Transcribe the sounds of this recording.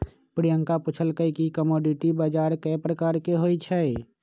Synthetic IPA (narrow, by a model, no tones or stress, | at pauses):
pɾijə̃ŋkapʊt͡ʃʰəlkəikikəmɔːɖiʈibaːd͡ʒaːɾkɛːpɾəkaːɾkeɦoːit͡ʃʰɛ